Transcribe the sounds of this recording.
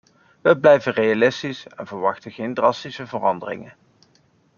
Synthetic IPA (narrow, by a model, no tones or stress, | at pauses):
ʋəblɛjvərejalɪstisɛnvəɹʋɑχtəχejndrɑstisəvərɑndərɪ̰ŋən